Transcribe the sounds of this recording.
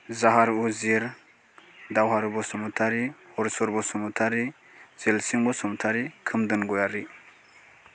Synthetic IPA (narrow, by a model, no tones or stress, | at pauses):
zaɦaɾuziɾ | dawɦaɾubɔsɔmutʰaɾihɔɾsɔɾbɔsɔmutʰaɾi | z̥elsiŋbɔsɔmutʰaɾikʰɯmdɯnɡɔjaɾi